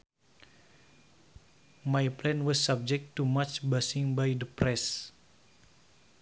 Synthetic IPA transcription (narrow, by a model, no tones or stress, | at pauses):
majplɛnwɔsːab̚d͡ʒɛk̚tːumat͡ʃbasɪ̃ŋbajdəpɾɛs